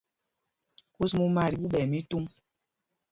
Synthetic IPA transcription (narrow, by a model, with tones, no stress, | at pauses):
ku˦smu˦ma˦ɾi˨ɓu˦ɓɛ˨mi˦tu˦m